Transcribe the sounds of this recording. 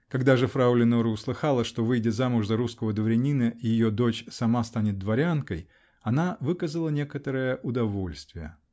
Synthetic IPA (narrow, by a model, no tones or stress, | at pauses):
kɐɡd̪aʐɨfɾaulʲɪnoɾəʊslˠɨxalˠəʂt̪o̞vɨjdʲɪzamʊʐzɐɾuskəvəd̪vəɾʲɪnʲinəʔijɪjod̪o̞t͡ɕsɐmast̪anʲɪt̪̚d̪vɐɾʲankəj | ɐnavɨkəzəlˠənʲekət̪əɾəjəʔʊd̪ɐvo̞lʲst̪vʲɪjə̰